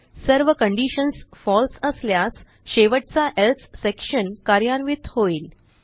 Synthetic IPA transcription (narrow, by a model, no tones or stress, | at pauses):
səɾʋəkəɳɖiɕənsfɔlsəsljas | ɕeʋəʈ̚t͡saʔelt̪ʰsekɕənkaɾjanʋit̪hoiːl